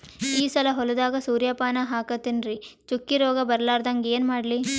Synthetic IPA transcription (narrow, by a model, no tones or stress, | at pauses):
iːsɐlɐɦɔlɐd̪aːɡɐsuːɾjɐpaːnɐɦaːkɐt̪ːinɾi | t͡ʃukːiɾɔːɡɐbɐɾlaːɾd̪ɐŋɡeːnmaːɽli